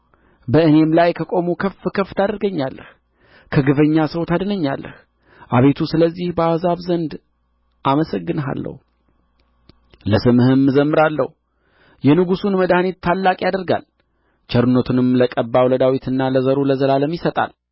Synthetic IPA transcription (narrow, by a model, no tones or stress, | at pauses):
bəʔɨne̞mlajkʰəkʼo̞mukʰəfɨkʰəft̪ʰad̪əɾɡəɲːalːəh | kʰəɡɨvəɲːasəwt̪ʰad̪nəɲːa̰lːə̰h | ʔaβe̞t̪ʰusɨləzːihbəazaβzənd̪ | ʔaməsəɡːɨnɦa̰lːə̰h | ləsɨmɨhɨmːɨzəmːɨɾalːə̰hu | jɛnɨɡusunməd̪ahnet̪ʰːalːakʼjad̪əɾɡa̰l | t͡ʃʰɛɾɨnot̪ʰɨnɨmləkʼəbːawləd̪awit̪ʰɨnːaləzəɾuləzəlaləmjɪsət̪ʼa̰l